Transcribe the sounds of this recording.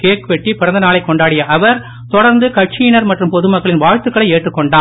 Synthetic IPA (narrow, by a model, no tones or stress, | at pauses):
keːkpɛʈːipɪɾɐnd̪ɐnaːɭɐɪkːɔɳɖaːɽɪjɐʔɐʋɐɾ | t̪ɔɽɐɾnd̪ɯkɐʈ̚t͡ʃinɐɾmɐʈrɯmpɔðɯmɐkːɐɭɪnʋaːɻt̪ɯkːɐɭɐɪeːʈrɯkːɔɳɖaː